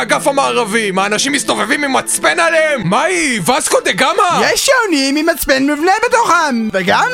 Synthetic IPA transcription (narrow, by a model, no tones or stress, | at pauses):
aɡafamaːʁavimaːnaʃimist̪o̞ve̞vimimat͡spe̞naleemːaivazkod̪eɡamajeʃːewnimimat͡spenmivnebet̪oχamveɡam